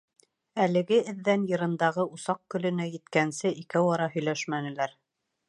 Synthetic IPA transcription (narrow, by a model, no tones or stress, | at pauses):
ælɘ̆ɡɘɘ̆ðːænjɤ̆ɾɤ̆nd̪ɑʁɤʔusɑq̚kɵ̆lɵ̆næjɘ̆t̪kænsɘʔikæwɑɾɑɦɵ̆jlæʃmænɘ̆læɾ